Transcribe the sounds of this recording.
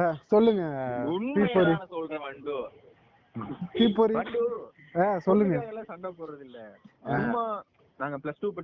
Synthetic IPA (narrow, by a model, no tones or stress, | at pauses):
sɔlːɯŋɡɐpiːpːoːɾĩsɔlɐ̃nd | piːpːoːɾi | eːsɔlːɯŋɡɐɐlãːsɐɳɖɐːpoːɾɾɐðɪlːɐmːa | naːŋɡɐplɐsʈuːpɐ